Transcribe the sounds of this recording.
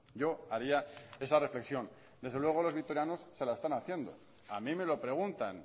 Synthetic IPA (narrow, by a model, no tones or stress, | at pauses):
ɟ͡ʝo̞aɾiae̞sare̞fle̞ksjõ̞n | d̪e̞zðelwe̞ɣ̞o̞lo̞zβikt̪o̞ɾjano̞sːe̞lae̞st̪anaθje̞nd̪o̞̰ | amĩme̞lo̞pɾe̞ɣ̞unt̪an